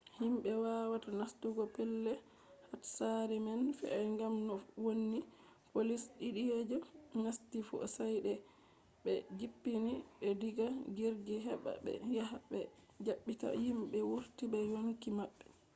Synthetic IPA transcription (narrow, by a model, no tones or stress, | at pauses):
himɓɛwawatanastuɡɔpɛlːɛ | hatsaɾimanfɛ̰ɛŋɡamnɔwonːi | polisɗiɗijed͡ʒɔnastifɔ̰sajɗɛ | bɛd͡ʒipːinibɛdiɡaɡiɾɡiɦɛɓa̰bɛ̰jahabɛ | d͡ʒaɓːita̰himɓɛwuɾtibɛjoŋkimaɓːɛ